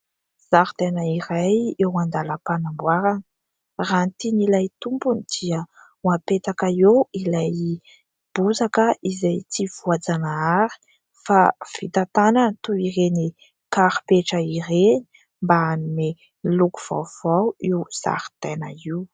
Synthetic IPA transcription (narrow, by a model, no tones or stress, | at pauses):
z̥aɾt̪enəiɾajewand̪aləpanambwaɾanə | ranit̪inilajt̪umpunid̪̥iə | wapet̪akaewilaj | b̥uzakəʔizajt͡siv̥uad͡zanaaɾi̥ | fafit̪at̪anant̪uireni | kaɾi̥peʈ͡ʂəiɾeni̥ | mbaanine | luku̥v̥a̰wv̥awiwz̥a̰ɾi̥t̪enə̰iw